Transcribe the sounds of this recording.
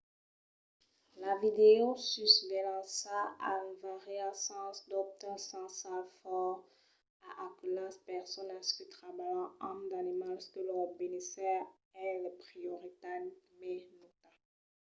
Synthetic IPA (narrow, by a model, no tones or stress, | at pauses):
lavid̪eosysvelɑ̃saaynvaʁiasɑ̃sd̪ɔp̚t̪ɛ̃sɑ̃safɔ | aʔakylaspɛʁsɔnaskət̪χabajɑ̃ɔ̃md̪animalskəlɔbenisɛʁ | ɛləpχijoʁit̪anikmɛnot̪a